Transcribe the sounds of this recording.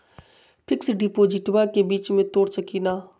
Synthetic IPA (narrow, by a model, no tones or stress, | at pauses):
pʰɪksɖiːpoːd͡ʒɪʈʋaːkebiːt͡ʃmẽt̪oːɽt͡ʃəkiːnaː